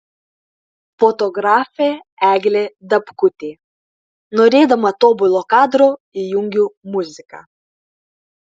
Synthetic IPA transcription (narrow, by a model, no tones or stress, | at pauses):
fot̪ɔɡɾɑːfʲe | æːɡʲlʲed̪ɐpkʊt̪ʲeː | nɔɾʲeːd̪ɐmɐt̪oːbʊlˠokɑːd̪ɾoɪjʊŋʲɡʲumʊzʲɪkɐ̰